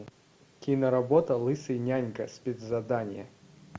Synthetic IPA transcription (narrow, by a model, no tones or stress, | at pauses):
kʲinɐɾabɔt̪ɐlˠɨsɨjnʲanʲkəsʲpʲed̪zɐd̪anʲɪjə